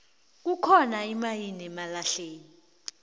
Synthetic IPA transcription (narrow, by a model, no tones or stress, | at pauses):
k̬ukʰɔnaimajinɛmalaɬeːni